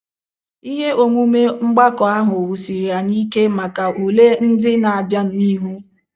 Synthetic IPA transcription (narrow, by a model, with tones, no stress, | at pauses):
i˦ɦe˦o˨ŋʷu˦me˦ŋ͡m̩˦ɡ͡ba˦kɔ˨a˦ɦʊ˨o˨wu˨si˨ɾja˨ni˦ke˦ma˨ka˨u˨le˦n̩˦dɪ˦na˨a˨bja˦n̩˦i˦ɦu˦